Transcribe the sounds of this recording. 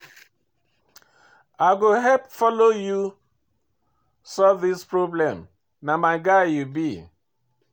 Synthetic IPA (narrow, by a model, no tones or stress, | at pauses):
aɡoɦɛp̚fɔloju | sɔlvðispɹoblɛ̃m | namaɪɡaɪjubi